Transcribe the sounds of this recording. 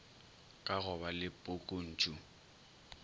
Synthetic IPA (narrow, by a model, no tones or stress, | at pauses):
kʼaɣʊbalɪpʼʊkʼʊn̩ːt͡ʃʼʊ